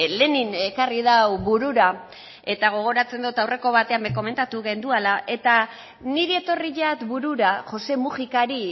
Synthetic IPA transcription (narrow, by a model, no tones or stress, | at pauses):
le̞nine̞karið̞awβuɾuɾa | e̞t̪aɣ̞o̞ɣ̞o̞ɾat͡se̞nd̪ut̪awre̞ko̞β̞at̪e̞ambeko̞me̞nt̪at̪uɣe̞nd̪ualaʔe̞t̪a | niɾie̞t̪o̞riʎat̪buɾuɾaʝo̞se̞musikaɾi